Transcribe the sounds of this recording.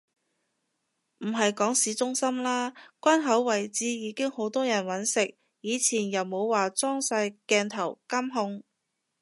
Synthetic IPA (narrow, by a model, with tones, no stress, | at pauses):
m̩˨˩ɦɐ˨jkɔː˨˥ŋsiː˨˥t͡sʊ˥ŋsɐ˥mlaː˥kʷɐ˥nɦɐ˨˥wːɐ˨˩jt͡siː˧˥jiː˨˧kɪ˥ŋho˨˥wt̪ɔː˥jɐ˨˩nwɐ˨˥nsɪ˨k̚ | jiː˨˧t͡sʰiː˨˩njɐ˨˩wmo˨˧wwaː˨t͡sɔː˥ŋsɐ˧jkɛː˧nt̪ʰɐ˨˩wkɐ˥mɦʊ˧ŋ